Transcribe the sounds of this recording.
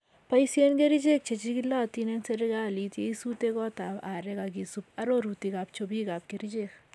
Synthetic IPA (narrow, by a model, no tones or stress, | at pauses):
pɐjsenkeɾid͡ʒek̚t͡ʃet͡ʃikilat̪inɛnseɾɪɡaːlitjeisutekɔtaːaːɾɛkaɡisupɐɾoɾutikap̚t͡ʃobiːkap̚keɾid͡ʒek